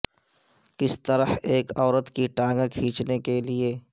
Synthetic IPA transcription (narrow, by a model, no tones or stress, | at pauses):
kɪst̪əɾəheːkɔːɾət̪kiʈãːŋɡakʰĩːt͡ʃnekelieː